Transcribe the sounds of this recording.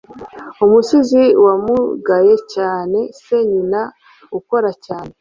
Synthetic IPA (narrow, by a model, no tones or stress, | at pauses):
umusiziwamuɡaje̞caːne̞se̞ɲina | uko̞ɾacaːne̞